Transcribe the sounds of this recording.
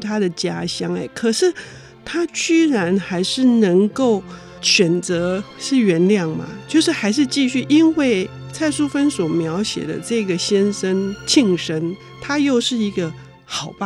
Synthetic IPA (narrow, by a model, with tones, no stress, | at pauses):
t̪ʰa˥d̪ə˨t͡ɕja˥ɕjɑ˥ŋe˨˩ɪkʰɤ˨˩ʂɻ̩˥˩ | t̪ʰa˥t͡ɕy˥ɻa˧˥nxa˧˥ɪʂɻ̩˥˩nɤ˧˥ŋko˥˩ʊ | ɕɥɛ˨˩nt͡sɤ˧˥ | ʂɻ̩˥˩ɥɛ˧˥nljɑ˥˩ŋma̰˩t͡ɕjo˥˧ʊʂɻ̩˥˩xa˧˥ɪʂ̬ɻ̩˥˧t͡ɕi˥˧ɕy˥˩ʔi˦˥nwe˥˩ɪt͡sʰa˥˩ɪʂu˥fə˥nswɔ˨˩mjɑ˧˥ʊɕjɛ̰˨˩d̪ə̰˦ʈ͡ʂɤ˥˩ɡə˩ɕjɛ˥nʂə˥nt͡ɕʰi˥˧ŋʂə˥n | t̪ʰa˥jo˥˧ʊʂɻ̩˥˩i˧˥ɡə˧ | xɑ˨˩ʊpa˥